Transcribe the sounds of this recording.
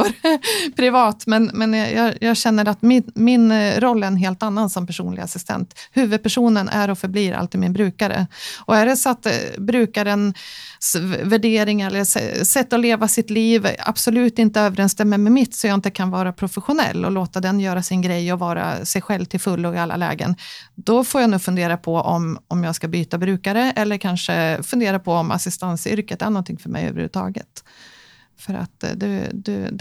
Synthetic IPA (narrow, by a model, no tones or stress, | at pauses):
pʰɾɪvɑːt̪mɛnmɛnjɑ̰ːjɑːɡɕɛnːəɾat̪mɪmɪnɾɔlːɛɾɛnɦeːlt̪anːansɔmpæʂṵːnlɪɡa̰sɪst̪ʰɛ̰nt̪hʉ̟ːvɵd̪̚pʰæʂuːnənʔæ̰ɾɔfœɾbliːɾʔa̰lt̪ɪmɪnbɾʉ̟ːkaɾə̰ʔɔæɖɛsɔat̪bɾʉ̟ːkaɾənsvæɖeːɾɪŋɛlːəsɛ̰sɛt̪ːɔleːvasɪt̪liːva̰b̥sɔlʉ̟ːt̪ɪnt̪əøːvəɾɛnst̪ɛmːəmɛmɪt̪ːsɔjɑaɪnt̪əkʰanvɑːɾapʰɾʊfɛɧʊnɛ̰lːɔ̰loːt̪ad̪ɛnjœːɾasɪnɡɾɛjːɔvɑːɾa̰sɛjɧɛlvt̪ʰɪlfɵlːɔɪalːa̰lɛ̰ːɡə̰nd̪̥ɔfoːɾjanuːfɵnd̪eːɾapʰɔʔɔ̰mɔmjɑːɡskabyːt̪abɾʉ̟ːkaɾəɛlːəɾkʰanʂəfɵnd̪eːɾapʰɔɔma̰sɪst̪ansʏ̰ɾkət̪æɳɔnt̪ʰɪŋfœɾmɛ̰jhø̰ːvəɾhʉ̰ːət̪ʰɑ̰ːɡə̰t̪ | fœɾa̰t̪d̪ɛ̰d̪ʉ̰